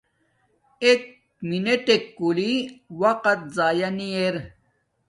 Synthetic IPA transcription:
ek | mineʈekːuliwɐqɐt̪̚zaːjɐnieɾ

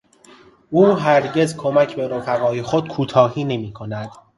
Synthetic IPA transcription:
uːɦæɾɟe̞zkʰo̞mæcʰbe̞ɾofæɣɒːje̞xod̪̥̚kʰuːt̪ʰɒːɦiːne̞miːkʰo̞næd̪̥

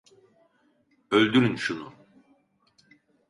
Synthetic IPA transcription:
ølʲd̪yɾynʃunu

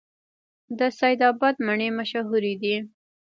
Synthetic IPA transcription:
d̪əsajd̪ɑbɑd̪̚maɳemaʃaɦuɾid̪i

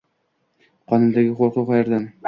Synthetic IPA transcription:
qʰɒnʊnd̪aɡʲɪqoɾqʊqɒjaɾd̪an

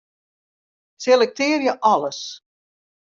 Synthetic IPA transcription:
selɛk̚tɪːərjəʔɑləs

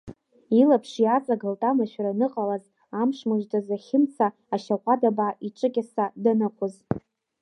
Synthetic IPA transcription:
ilapʰʂiat͡sʼaɡaltʼamaʃᶣaɾanɨqʼalaz | amʂmɨʒtʼazaχʲɪmt͡sʰaːʃaqʷʼadabʕaiʈ͡ʂʼɨkʲʼasadanɨqʷʰʊz

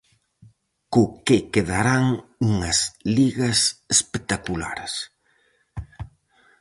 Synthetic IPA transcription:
kʊkɪkeðaɾaŋuŋɐsliɣɐsespek̚t̪akula̰ɾs

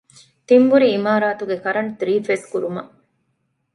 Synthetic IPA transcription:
t̪imbuɾiːmaːɾaːt̪uɡekɐɾɐnt̪ɾiːfeskuɾumɐʔ

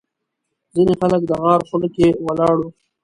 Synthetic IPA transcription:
zinexalək̚d̪əɣɑːɾxʊləkewalɑɽu

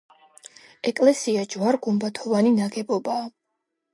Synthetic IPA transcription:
ɛkʼlɛsiad͡ʒwaɾɡumbat̪ʰɔvaninaɡɛbɔbaː

